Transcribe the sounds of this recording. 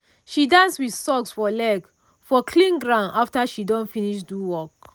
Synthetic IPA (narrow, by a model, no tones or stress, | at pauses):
ʃidãnswiθsɔksfɔlɛɡ | fɔkʰlĩŋɡɹãʊ̃ndaftaʃidɔ̃nfiniʃduwɔk